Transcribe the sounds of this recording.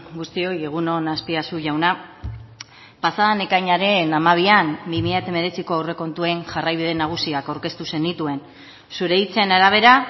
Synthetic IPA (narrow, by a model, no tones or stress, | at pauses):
ɡust̪io̞je̞ɣ̞uno̞naspiasuʝawna | pasaðane̞kajɲaɾe̞namaβ̞iambimiʎat̪eme̞ɾe̞t͡siko̞awre̞ko̞nt̪ue̞nʝarajβ̞iðe̞naɣ̞usiakawɾke̞st̪use̞ndit̪ue̞n | suɾe̞it͡se̞naɾaβ̞e̞ɾa